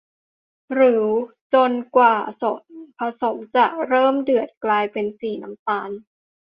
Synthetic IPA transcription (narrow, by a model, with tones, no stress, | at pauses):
ɾɯː˩˦ | t͡ɕo˧nkwaː˨˩so˨˩˦pʰa˧so˩˦mt͡ɕa˨˩ɾɤː˥˩mdɯ˨˩ət̪̚klaː˧jpe˧nsiː˨˩na˦mt̪aː˧n